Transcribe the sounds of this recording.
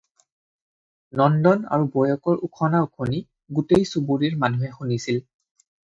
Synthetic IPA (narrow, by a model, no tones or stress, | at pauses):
nɔndɔna̰ɹubɔjɔkɔɹʔukʰɔnaʊkʰoni | ɡutejsubuɹiɹmanuɦɛxunisil